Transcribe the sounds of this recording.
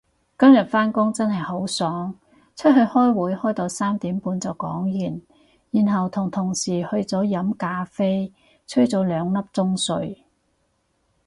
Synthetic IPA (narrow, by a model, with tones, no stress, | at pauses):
kɐ˥mjɐ˨t̚faː˥nkʊ˥ŋt͡sɐ˥nɦɐ˨jho˨˥wsɔː˨˥ŋ | t͡ʃʰɵ˥t̚ɦɵ˧ɥhɔː˥jwuː˨˥jhɔː˥jt̪o˧wsaː˥mt̪iː˨˥mpuː˨˧nt͡sɐ˨wkɔ̰ː˨˥ŋjyː˨˩n | jiː˨˩nɦɐ˨wt̪ʰʊ˨˩ŋt̪ʰʊ˨˩ŋsiː˨˩hɵ˧ɥt͡sɔː˨˥jɐ˨˥mkaː˧fe˥j | t͡sʰɵ˥ɥt͡sɔː˨˧˥lœː˨˧ŋlɐ˥p̚t͡sʊ˥ŋsɵ˧ɥ